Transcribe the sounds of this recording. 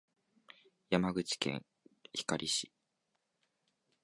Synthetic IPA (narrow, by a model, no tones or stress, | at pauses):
jamaɡɯ̟t͡ɕi̥kẽ̞̰ɰ | çi̥kaɾʲʔiɕi